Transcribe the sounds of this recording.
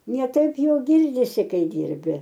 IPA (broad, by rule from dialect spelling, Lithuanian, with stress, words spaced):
nʲɛ ˈtɐɪp joː ˈɡʲɪrʲdʲɪsʲɪ ˈkɐɪ ˈdʲiːrʲbʲɪ